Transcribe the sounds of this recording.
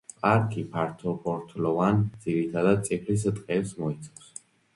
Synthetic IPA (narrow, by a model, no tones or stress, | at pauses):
pʼaɾkʰipʰaɾt̪ʰɔpʰʼɔɾt̪ʰlɔvand̪z̥iɾit̪ʰad̪ad̪t̪sʼipʰlis̬t̪ʼqʼɛpsmɔit̪sʰḁfs